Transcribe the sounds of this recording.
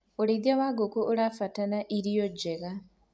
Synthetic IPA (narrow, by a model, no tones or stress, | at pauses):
oɾidjawaːɡokuʔoɾafatanaʔiɾijod͡ʒeɣa